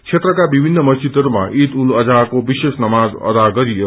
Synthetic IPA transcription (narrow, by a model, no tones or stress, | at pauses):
t͡ʃʰet̪ɾʌkabibʱinːʌmʌst͡ʃit̪ʌɾuma̰ʔit̪ulʌd͡zakobisesnʌmad͡zʌ̰d̪aɡʌɾijo